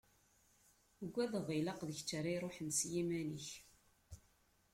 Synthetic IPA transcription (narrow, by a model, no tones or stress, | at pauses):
ɡʷːæðəʁˤilɑqðəçt͡sːaɾajɾˤoħənsjimæniç